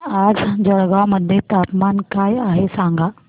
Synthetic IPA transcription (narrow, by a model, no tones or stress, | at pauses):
aːd͡ʒd͡ʒɐɽɡamɐd̪ʱjet̪aːpmaːnkaːiaːɦesãːŋɡaː